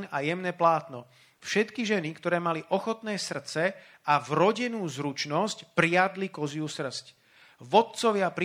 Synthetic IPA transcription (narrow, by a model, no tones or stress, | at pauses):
najɛmnɛːplaːt̪nɔ̰ | fʃɛt̪kiʒɛnikt̪ɔɾɛːmaliʔɔxɔt̪nɛːsr̩t͡sɛ | avɾɔɟɛnuːzɾut͡ʃnɔscpɾɪad̪likɔziusr̩sc | ʋɔt̪̚t͡sɔʋɪapɾ